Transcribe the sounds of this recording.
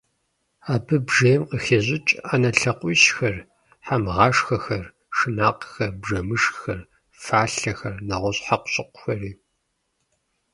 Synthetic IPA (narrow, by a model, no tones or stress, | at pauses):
aːbɨbʒejmqəxeːʑɪt͡ʃʼaːnɐɬɐqʷʼiːʃxɐr | ħamʁɑːʂxɐxɐr | ʂɨnaːqxɐrbʐɐmɨʂxɐr | faːɬɐxɐrnɐʁʷɔɕʼħaqʷʊ̥ɕʼɪqʷʊxɐriː